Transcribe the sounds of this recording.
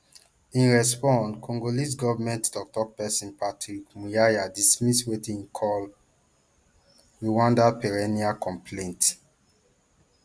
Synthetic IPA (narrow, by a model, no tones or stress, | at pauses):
ĩnɹɛspɔ̃nkʰɔ̃ŋɡolis̬ɡɔvmɛ̃ntdɔk̚tɔpɛsĩnpatɹikmujajadismiswetĩŋkʰɔl | ɹiwãndapɛɹɛniakɔ̃mplẽnt